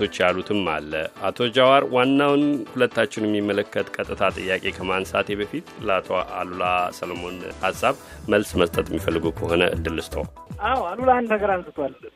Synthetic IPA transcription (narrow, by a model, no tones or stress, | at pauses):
o̞t͡ʃːjalut̪ʰɨmːa̰lːə̰at̪ʰo̞d͡ʒawaɾwanːawnhulət̪ːat͡ʃːɪnjɛmːimːələkːət̪kʼət̪ʼːɨt̪ʰat̪ʼɨjːakʼe̞kʰəmansat̪ʰjeβəfit̪ləat̪ʰoa̰lulasəlomo̞nhasːaβ | məlsməst̪ʼət̪ʼjɛmːifəlːɨɡukʰəho̞nə̰ʔɨ̰d̪ːɨlɨst̪ʰo̰w | awalulanəɡəɾansɨt̪ʰal